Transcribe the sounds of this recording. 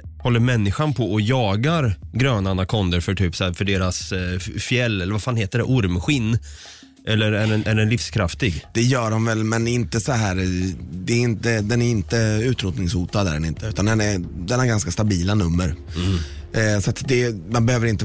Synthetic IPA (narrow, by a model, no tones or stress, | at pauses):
hɔlːəɾmɛnːɪɧanpʰɔɔjɑːɡaɾɡɾøːnanakʰɔnd̪əɾfœʈʰyːpsɔæːfœɖeːɾasfjɛlːɛlːəɾvafaːnheːt̪əɖɛʔʊɾmɧɪnː | ʔɛlːəɾæɖɛnʔæɖɛnlɪfskʰɾaft̪ɪɡd̪̥ɛjœːɾɔmvɛlmɛnɪnt̪əsɔɦæːɾd̪ɛːɾɪnt̪əd̪ɛnæɾɪnt̪əʉ̟ːt̪ɾuːt̪nɪŋshuːt̪ad̪æ̰ɾɛ̰nɪnt̪əʉ̟ːt̪and̪ɛnæd̪ɛnæɾɡanskast̪abiːlanɵmːəɾ | sat̪d̪ɛmanbɛhøːvəɾɪnt̪ə